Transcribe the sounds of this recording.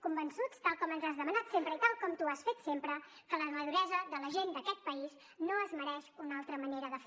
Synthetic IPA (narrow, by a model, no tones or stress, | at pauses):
kumbənsut͡st̪alˠkɔmənzazðəmənat̪sempɾəit̪alˠkɔmt̪uasfet̪sempɾə | kələməðuɾɛzəðələʒend̪əkɛt̪̚pəis | noəzməɾɛʃunalˠt̪ɾəməneɾəðəf